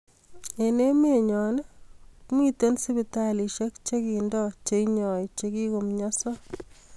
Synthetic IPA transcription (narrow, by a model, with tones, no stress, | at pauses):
e˨ne˦me˨ɲɔ˨nkmi˦te˦nsi˦bi˨tali˨ʃe˦k̚t͡ʃe˦ki˨ndɔt͡ʃe˨iɲɔ˨jt͡ʃeki˦ko˨mɲɔ˦sɔ˦